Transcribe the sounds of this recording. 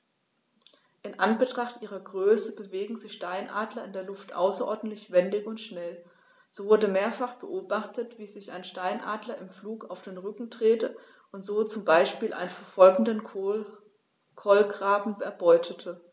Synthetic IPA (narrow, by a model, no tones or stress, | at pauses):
ʔɪnʔanbətʁ̥aχtʔiːʁɐɡʁøːsəbəveːɡŋ̩zɪçʃtaɪnʔa̰ːdlɐɪndeːɐlʊftʔa̰ʊsɐʔɔɐdn̩tlɪçv̥ɛndɪçʊntʃnɛl | z̥oːvʊɐdəmeːɐfaχb̥əʔoːbaχtətv̥iːzɪça̰ɪnʃtaɪnʔa̰ːdlɐɪmfluːkaʊfd̥eːnʁʏkŋ̩dʁ̥eːtə | ʔʊntz̥oːt͡sʊmbaɪʃpiːlʔa̰ɪnənfɛɐfɔlɡŋ̩dən | kʰɔlɡʁaːbm̩ɛɐbɔʏtʰətʰə